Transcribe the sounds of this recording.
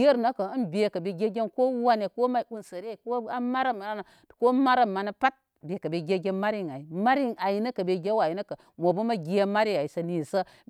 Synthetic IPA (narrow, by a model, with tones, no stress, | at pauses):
je˦ɾna˦ka˨ə˦nbe˨kɐ˨be˨ɡʲe˦ɡʲe˦nko˦wa˦ne˨ko˦ma˦u˦nsə˨ɾe˦˨ko˦a˦ma˦ɾa˦ma˨a˦na˨ko˦ma˦ɾa˦mːa˨na˦pa˦t̚ | be˨ka˨be˨ɡʲe˦ɡʲe˦nma˦ɾi˦ŋa˨i˨ma˦ɾi˦ŋa˨ji˨nɐ˦kɐ˨be˨ɡʲe˦wa˨ji˨˦na˦kə˨ | mo˨bu˦ma˦ɡʲi˨ja˦ma˦ɾe˦˨a˨i˨sə˨ni˨sə˦